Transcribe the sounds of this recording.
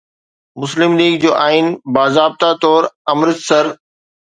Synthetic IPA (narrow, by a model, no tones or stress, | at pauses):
mʊslɪmliːɡ̚d͡ʑoːʔaːɪnbaːzaːb̚t̪at̪ɔːɾɐmɾəzsɐɾ